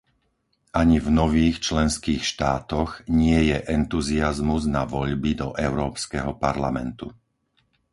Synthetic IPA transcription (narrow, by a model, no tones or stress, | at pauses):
ʔaɲivnɔʋiːxt͡ʃlɛnskiːxʃt̪aːt̪ɔɣɲɪɛjɛʔɛnt̪uziazmuznaʋɔʎbid̪ɔʔɛʊɾɔːpskɛɦɔpaɾlamɛ̰nt̪u